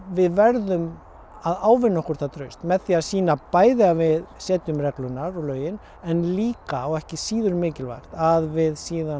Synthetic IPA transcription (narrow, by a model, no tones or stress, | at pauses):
vɪðvɛɾðʏm | aðaːwvɪnːɔhkɔɾ̥t̪ʰat̪ʰɾœɥst̪mɛðθiːasiːnapaːjðɪavɪðsɛːt̪ʏmrɛklʏnːaɾɔlœːɥjɪn | ɛnliːkaɔɣɛhcɪsiːðʏɾmɪːcɪlva̰jɾ̥t̪aðvɪðsiːða